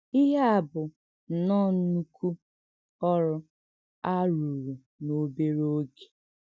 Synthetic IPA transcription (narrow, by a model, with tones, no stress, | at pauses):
i˦ɦa˦a˦˨bʊ˨ | n̩˨nɔ˦nu˦kʰu˦ | ɔ˦ɾʊ˦ | a˦ɾu˨ɾu˨ | no˨be˦ɾo˦ɡe̥˨